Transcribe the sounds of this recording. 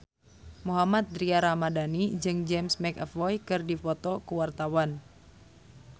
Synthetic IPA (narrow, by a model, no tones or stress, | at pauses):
muɦamat̪̚d̪ɾiaɾamadanid͡ʒɨŋd͡ʒɛmsmɛkɛfɔjkɨrdifɔt̪ɔkuwart̪awan